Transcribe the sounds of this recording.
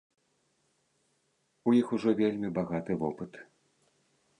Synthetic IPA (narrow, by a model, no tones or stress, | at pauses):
ujixuʐɔvʲelʲmʲibaɣat̪ɨvɔpɨt̪